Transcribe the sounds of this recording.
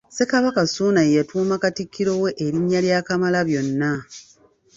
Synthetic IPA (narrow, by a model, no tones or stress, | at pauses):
se̞kaβakasuːnajjatuːmakatikʰːiɾo̞we̞ʔeɾiɲːaljaːkamalaβjo̞nːa